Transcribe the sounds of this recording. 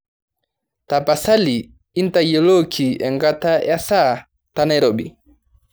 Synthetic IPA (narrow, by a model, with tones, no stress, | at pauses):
ta˨pa˨sa˦li˨ | i˦n˦ta˨jɛ˨lɔ˦kʰi˨ɛ̰˨ŋɡa˦ta˦ja˦sa˦ | ta˦na˦jɾɔ˨bḭ˨